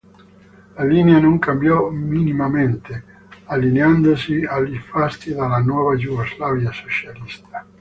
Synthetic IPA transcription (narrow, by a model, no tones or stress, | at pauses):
lalineanoŋkambjɔminimament̪e | alːineand̪osialifast̪id̪alːanwɔːvad͡ʒuɡozlaːvjasot͡ʃalist̪ʰḁ